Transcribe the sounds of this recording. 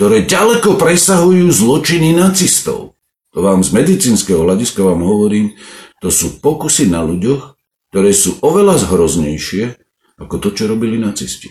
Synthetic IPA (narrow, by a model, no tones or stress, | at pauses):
kt̪ɔɾɛːɟalɛkɔpɾɛsaɦujuːzlɔt͡ʃininat͡sist̪ɔ̰ʊ | t̪ɔʋaːmzmɛd̪it͡siːnskɛːɦɔɦlaɟiskaʋaːmɦɔʋɔɾiːmt̪ɔsuːpɔkusinaʎuɟɔx | k̚t̪ɔɾɛːsuːʔɔʋɛlazɦɾɔzɲɛjʃɪɛ | akɔt̪ɔt͡ʃɔɾɔbilinat͡sisci̥